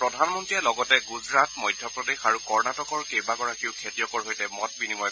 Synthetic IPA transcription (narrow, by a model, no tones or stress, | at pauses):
pɹɔdʱanmɔntɹijɛlɔɡɔtɛɡuzɹatmɔjdʱjɔpɹɔdexaɹukɔɹnatɔkɔɹkejbaɡɔɹakiʊkʰetijɔkɔɹɦojtɛmɔt̚binimɔj